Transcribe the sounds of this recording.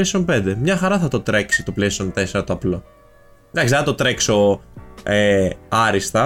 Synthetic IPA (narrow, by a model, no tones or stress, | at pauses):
esiompe̞nd̪emɲɐxɐɾɐθɐt̪o̞t̪ɾe̞ksit̪oplesiont̪e̞se̞ɾɐt̪oɐplo | d̪ɐksieθɐt̪o̞t̪ɾe̞kso̞ | eɐɾist̪ɐ